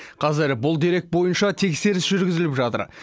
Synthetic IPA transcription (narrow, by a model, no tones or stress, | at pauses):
qʰɑzɪɾbʊlˠd̪e̞ɾe̞k̚t̪̚bo̞jənʃɑt̪ʰe̞kse̞ɾɪsʒʏɾɡʲɪzɪlɪpʒɑt̪ə̰ɾ